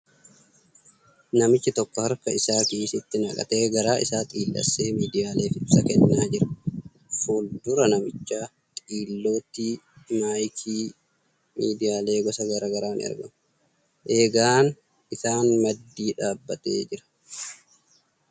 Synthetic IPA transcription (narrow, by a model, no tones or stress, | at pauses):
nɐmɪt͡ʃːɪt̪ɔkːɔhɐɾkɐɪsaːkiːsɪt̪ːɪnɐkʼɐ̰t̪e̞ːɡɐɾaːʔɪsaːt̪ʼiːlːɐ̰sːe̞ːmiːd̪ɪjaːle̞ːfɪɪsɐkɛnːaːd͡ʒɪɾɐ | fuːld̪ʊɾɐnɐmɪt͡ʃːaː | t̪ʼiːlːo̞ːt̪iːmaːjkʰiː | miːd̪ɪjaːle̞ːɡɔsɐɡɐɾɐɡɐɾaːn̰ɐ̰ɾɡɐ̰mʊ | ʔe̞ːɡaːn | ɪsaːnmɐd̪ːiːᶑaːbːɐt̪ḛːd͡ʒɪɾɐ̥